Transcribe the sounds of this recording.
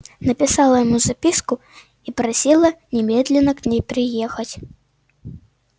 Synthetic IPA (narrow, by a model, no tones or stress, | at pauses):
nɐpʲisalˠɐjɐmuzapʲisku | ipɾasʲilˠɐnʲɛmʲɛd̪lʲɛnɐknʲejpɾɨjɛxɐt͡sʲ